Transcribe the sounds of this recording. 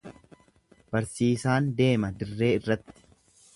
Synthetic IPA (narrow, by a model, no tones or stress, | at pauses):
b̥ɐɾsiːsaːnd̪e̞ːmɐd̪ɪrːe̞ːɪrːɐt̪ːɪ̥